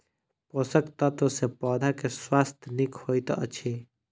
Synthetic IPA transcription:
posəkt̪ət̪osepɔːd̪ʱakeswaːst̪ʰnikhoːjt̪ɔ̰ʔət͡ʃʰe

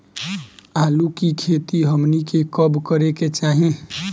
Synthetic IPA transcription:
alukikʰet̪iɦəmnikekəbkəɾeket͡ʃaɦĩ

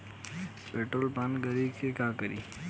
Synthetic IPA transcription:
peʈɾolpanɡəɾikekakəɾḭ

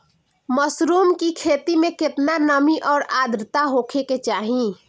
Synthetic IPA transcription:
məsɾuːmkikʰeːt̪imẽkɪt̪nanəmiʔɔːɾaːd̪ɾt̪aɦokʰeket͡ʃaːɦĩ

